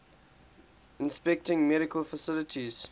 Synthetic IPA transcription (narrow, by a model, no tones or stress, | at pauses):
ɪ̃nspɛk̚tɪ̃ŋmɛɾɪkəlfəsɪlətʰiz̥